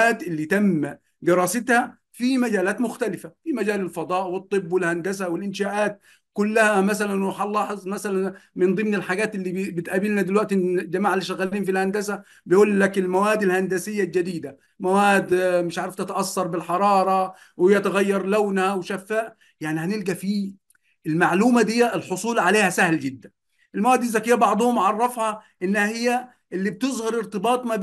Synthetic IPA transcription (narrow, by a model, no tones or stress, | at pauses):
aːt̪ʔɪlːit̪amː | d̪ɪɾˤɑːsɪt̪ha | fimad͡ʒaːlaːt̪mʊxt̪alɪfafimad͡ʒaːlɪlfɑd̪ˤɑːʔwɨt̪ˤːɨbːwɪlhand̪asawɪlʔɪnʃaːʔaːt̪̚ | kʊlːahamas̬alanwħɑlːɑːħɪzˤmasalanmɪnd̪ˤɨmnɪlħaɡaːt̪ʔɪlːibɪt̪ʔaːbilnad̪ɪlwaʔt̪ɪd͡ʒamaːʕalɪʃaɣaːliːnfilhand̪asa | bɪjʔuːlːakɪlmawaːd̪ɪlhand̪asɪjːald͡ʒad̪iːd̪a | mæwæːd̪mɪʃʕaʕɾˤɑft̪ɪt̪ʔɑsːɑɾˤbɪlħɑɾˤɑːɾˤɑ | whɪjːæt̪ɪɣæjːɑɾˤlæwnhæwʃæfːaːʔ | jaʕnihænɪlɡæfiː | ɪlmaʕluːmæd̪ɪjːæʔɪlħosˤuːlʕaleːhæsæhlɡɪd̪ːæn | ʔɪlmæwæːd̪ːizːækɪjːæbɑʕd̪ˤʊhʊmʕɑrˤːɑfhɑʔɪnːhæhɪjːæ | ʔɪlːib̚t̪ɨzˤhɑɾˤɪɾt̪ɪbɑːt̪ˤmæb